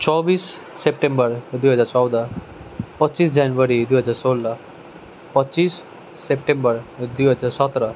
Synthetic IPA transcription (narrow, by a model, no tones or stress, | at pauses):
t͡ɕɔbiːsː | ep̚ʈẽmbəɾd̪wujɦəd͡zaɾt͡sɔwd̪a | pətːɕiːsd͡ʑanʋəɾid̪wijɦəd͡zaɾsolːa | pəɕiːsː | epʈẽmbəɾd̪ijɦəd͡zaɾsət̪ɾa